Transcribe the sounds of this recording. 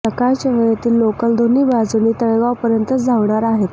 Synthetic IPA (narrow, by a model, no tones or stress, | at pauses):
əkajt͡ɕaʋəjət̪iːlːokəld̪ʱonːiːbad͡zuniːt̪əɭɡaʋpəɾjənt̪ət͡sd͡zʱaʋɳaɾaɦet̪